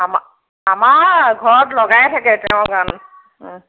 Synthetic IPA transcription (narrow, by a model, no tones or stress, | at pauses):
ama | amaɹɡʱɔɹɔtlɔɡajɛtʰakɛtɛʊ̃ɡan